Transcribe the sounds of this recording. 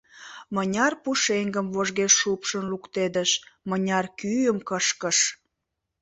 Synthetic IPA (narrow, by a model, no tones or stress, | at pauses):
mənʲɑrpuʃeŋɡəmvoʒɣeʃːupʃənlukt̪ed̪əʃmənʲɑrkyjəmkəʃkəʃ